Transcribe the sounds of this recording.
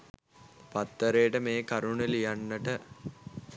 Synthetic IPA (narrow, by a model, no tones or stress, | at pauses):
pat̪ːəɾejːʈəmeːkaɾunelijanːəʈə